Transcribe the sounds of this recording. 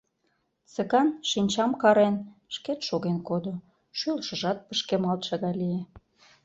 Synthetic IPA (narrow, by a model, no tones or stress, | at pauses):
t͡sə̆kɑnʃinʲt͡ɕɑmkɑɾenʃket̪ʃoɣenkod̪o | ʃylʃə̆ʒɑt̪̚pəʃkemɑlt̪ʃɑɣɑlije